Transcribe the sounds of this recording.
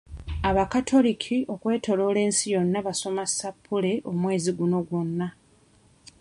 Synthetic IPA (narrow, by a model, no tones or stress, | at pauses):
aβakatʰo̞likʰio̞kwe̞ːto̞lo̞ːle̞ːnsijo̞nːaβaso̞masapʰːule̞ʔomwe̞ːziɡuno̞ɡwonːa